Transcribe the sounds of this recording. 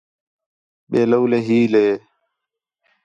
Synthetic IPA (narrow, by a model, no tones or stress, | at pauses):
ɓeːləwleːɦiːleː